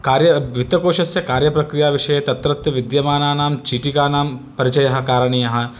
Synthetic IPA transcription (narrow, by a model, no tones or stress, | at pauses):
kaːɾjɐʋit̪ɐkoːʃɐsjɐkaːɾjɐpɾɐkɾijaːʋɪʃɐjet̪ɐt̪ɾɐt̪jɐʋɪd̪jɐmaːnaːnaːmt͡ʃiːʈikaːnaːmpɐɾit͡ʃɐjɐɦɐkaːɾɐɳ̃ijɐɦɐ